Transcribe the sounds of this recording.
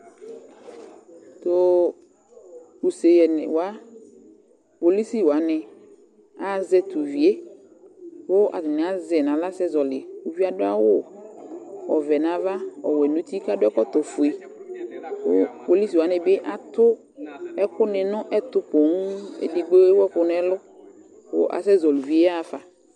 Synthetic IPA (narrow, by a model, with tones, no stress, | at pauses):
t̪o˨ | u˨se˨jɛ˨n̰˨wa˦ | po˨li˦si˦wa˨nɪ̃˨ | a˨zɛ˦t̪u˨vi˨˦e˦ | wʊ˦ʔa̰˨dɪ˨nɪ̃˨a˨˦zɛ˨nã˨la˦sɛ˦zɔ˨lɪ˨u˨vi˦a˦dʊ˦a̰˦wʊ˦ | ɔ˨vɛ˨nã˨va˦ɔ̰˨wɛ˨nũ˦t̪i˦ka˦dʊ˦ɛ˦kɔ˦t̪ɔ˨fʊ˨e˨ | wʊ˦po˨li˦si˨wa˨˦nɪ̃˨bɪ˦ʔa˨t̪ʊ˦ | ɛ˦kʊ˦nɪ̃˨nʊ̃˦ʔɛ˦t̪ʊ˨po˨ŋ˦ḛ˨di˨ɡ͡be˦wɔ˦kʊ˨n˦ɛ˦lʊ˦ | wʊ̰˦ʔa̰˨sɛ˦zɔ˨lu˨vi˨˦e˦a˦˨fa˨